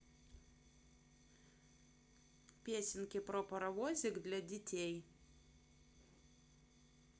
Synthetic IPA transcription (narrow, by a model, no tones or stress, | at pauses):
pʲiɛsʲɪnʲkʲepɾopɐɾɐʋoːzʲɪkd̪ʲlʲɛd̪ʲɪt̪ʲej